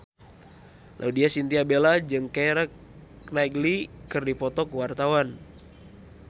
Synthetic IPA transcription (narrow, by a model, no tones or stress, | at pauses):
lʔa̰udiasint̪iabelad͡ʒɨŋkeɾək | naiɡlikɨrdipɔt̪ɔkəwart̪awan